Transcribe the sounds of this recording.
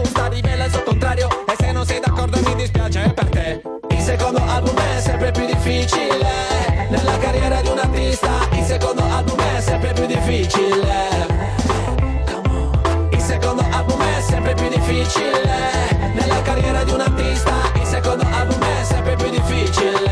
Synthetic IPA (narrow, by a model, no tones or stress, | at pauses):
ut̪alivɛlːaɛs̬olt̪ːkont̪ɾaːɾjoesːɛjnonsɛjd̪akːɔrd̪oemid̪ispjaːt͡ʃeepːert̪e | ilsekond̪oʔalbumɛsːɛmpɾepjud̪ifːit͡ʃilenelːakarjɛːɾad̪iunart̪ist̪ailsekond̪oalbumeɛsːɛmpɾepjud̪ːifːit͡ʃile | ilsekond̪oʔalbumɛsːɛmpɾepjud̪ifːit͡ʃile | nelːakarːjɛːɾad̪iunart̪ist̪ailsekond̪oʔalbumɛsːɛmpɾepjud̪ːifːit͡ʃile